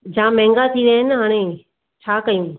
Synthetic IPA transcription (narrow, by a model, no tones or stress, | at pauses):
d͡ʑãːmɛ̃ːŋɡat̪ʰiɾəɦɪnɦaːɽ̃ẽː | t͡ɕʰaːkɐjũː